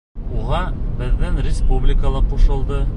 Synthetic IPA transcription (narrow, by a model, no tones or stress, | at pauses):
uʁɑbɘ̆ðːɘŋrʲɪspublʲɪkəlˠɤqːuʃɤ̆lˠd̪ɤ